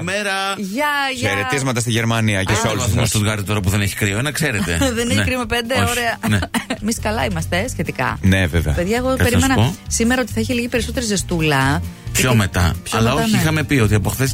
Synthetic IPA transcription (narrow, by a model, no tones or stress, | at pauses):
meɾɐ | ʝɐçeɾet̪izmɐt̪ɐst̪iʝe̞ɾmɐniɐcesolusumst̪ud̪ɣɐɾd̪it̪o̞ɾɐp̬uðe̞neçi̥kɾioenɐkse̞ɾet̪ḛðeneçenkɾiomepend̪eoɾeɐnemiskɐlɐimɐst̪e̞sçe̞t̪ikɐ̰neveveɐpeðʝɐeɣopeɾimenɐosimeɾɐo̞t̪i̥θɐiçiliʝipe̞ɾiso̞t̪eɾizest̪ulɐpçomet̪ɐ̰pçɐlɐoçiixɐme̞pio̞t̪iɐpo̞xθes